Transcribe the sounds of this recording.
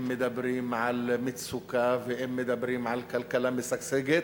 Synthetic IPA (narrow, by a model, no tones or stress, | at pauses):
mːɪd̪abɾiːmʕalmɪt̪sukavɪʔɪmːɪd̪abɾiːmʕalkalkalamɪsakseɡɪ